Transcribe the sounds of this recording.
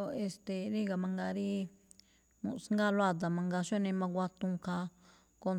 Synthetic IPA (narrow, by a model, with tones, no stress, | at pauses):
o˧e˧st̪e˨ɾi˦ɡa˨mã˧ŋɡa˧ɾi˦ | mṵ̃˨˧sŋɡa˦˧lwa˦˧t̪̬a˨mã˧ŋɡa˧ʃo˦nĩ˧mã˧kʷa˧t̪ũ˧ka˧ | ko˧